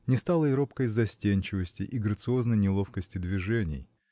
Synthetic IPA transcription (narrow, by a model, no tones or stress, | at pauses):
nʲɪst̪alˠəɪɾo̞pkəjzɐsʲtʲenʲt͡ɕɪvəsʲtʲɪʔiɡɾət̪sɨo̞znəjnʲɪlˠo̞fkəsʲtʲɪd̪vʲɪʐɛnʲɪ̰j